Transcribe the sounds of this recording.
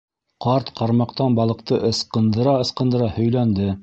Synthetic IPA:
qɑɾt̪qɑɾmɑqt̪ɑnbɑlˠɤ̆qt̪ɤʔɤ̆sqɤ̆nd̪ɤ̆ɾɑɤ̆sqɤ̆nd̪ɤ̆ɾɑhɵ̆jlænd̪ɘ

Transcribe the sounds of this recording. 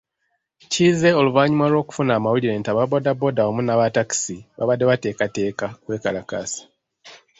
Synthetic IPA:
ciːze̞o̞luvaːɲumalwo̞ːku̥funaːmawuliɾe̞ːntaβabo̞dabo̞daomunaβataki̥siβa̰βadːe̞βate̞ːkate̞ːkakwe̞ːkalaka̰sḁ

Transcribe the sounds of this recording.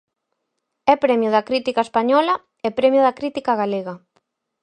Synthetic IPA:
ɛpɾɛmjʊðɐkɾit̪ikaespaɲɔlɐ | ɛpɾɛmjʊðɐkɾit̪ikaɣaleɣɐ

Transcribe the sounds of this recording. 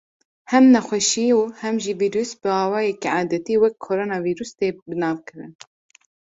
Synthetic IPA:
hɛmnɛxʷɛʃiuhɛmʒiviːɾuːsbɨɑːwɑːjɛkiʕaːd̪ɛt̪iːwɛkʰːoːɾoːnɑːviːɾuːst̪eːbɨnɑːvkʰɨɾɨ̰n

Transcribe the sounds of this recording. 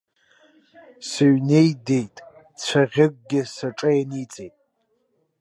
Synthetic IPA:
sɨɥne̞jde̞jtʼ | t͡sʷʰaʁʲɪɡ̚ʷʼɡʲɪsaʈ͡ʂʼajanit͡sʼejtʼ

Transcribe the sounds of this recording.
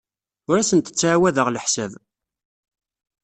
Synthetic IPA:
ʊɾæsənt̪ə̥t͡sːʕawæðəʁləħsæv

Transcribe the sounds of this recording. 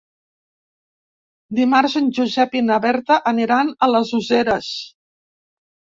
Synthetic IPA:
d̪imaɾzənʲʒuzɛpinəβɛɾt̪əʔːneɾanələzuzeɾəs

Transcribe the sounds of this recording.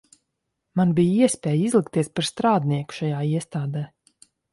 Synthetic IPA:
manbijiɛspʲɛːjizlˠikt̪iɛspaɾst̪ɾaːd̪niɛku̥ʃajaːiɛst̪aːd̪ɛː

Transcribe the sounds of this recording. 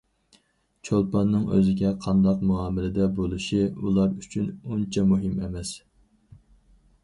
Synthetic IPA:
t͡ʃʰolˠpɑnːɨŋø̰zɪɡʲɛqʰɑnd̪ɑqmuɑːmɪlɪd̪ɛbolˠuʃiulˠɑɾyt͡ʃʰynunt͡ʃʰɛmuɦɨmɛmɛs

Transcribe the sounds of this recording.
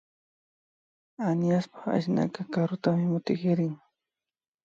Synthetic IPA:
anjaspḁχa̰ʃna̰kakaɾʊt̪amɪmʊt̪ɪkɪɾɪŋ

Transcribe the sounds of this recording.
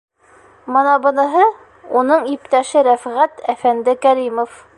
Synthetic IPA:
mɤnɑbɤ̆nɤ̆ɦɤ | unɤɴipt̪æʃɘɾæfʁæt̪æfænd̪ɘkæɾimof

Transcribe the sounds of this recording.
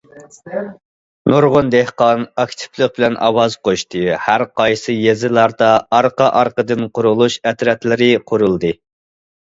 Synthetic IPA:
noɾʁʊnd̪ehqɑnɑkʲt̪ʰɪ̥plˠəq̚bɪlɛnʔɑ̰wɑzqʰoʃt̪ɨhæɾqʰɑjsɨjezɪlˠɑɾd̪ɑɑɾqɑʔɑɾqəd̪ɨnqʰʊɾulˠuʃɛt̪ɾɛt̪lɪɾɪqʰʊɾulˠd̪ɨ

